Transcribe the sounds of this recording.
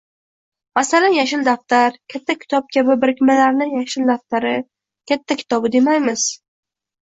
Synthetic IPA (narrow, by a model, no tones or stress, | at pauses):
masalanjaʃɪld̪aft̪aɾkʲʰat̪ʰːakʲʰɪ̥t̪ʰɒp̚kʲʰabɪbɪɾɪkʲmalaɾnɪjaʃɪld̪aft̪aɾɪ | kʲʰat̪ʰːakʲʰɪ̥t̪ʰɒbɪd̪emajmɪz̥